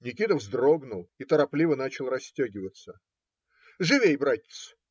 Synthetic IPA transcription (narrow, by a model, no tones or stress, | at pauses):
nʲɪkʲit̪əvzd̪ro̞ɡnʊlˠit̪əɾɐplʲivənat͡ɕɪlˠrɐsʲtʲaɡʲɪvət̪sə | ʐɨvʲejbɾatʲɪ̥t̪s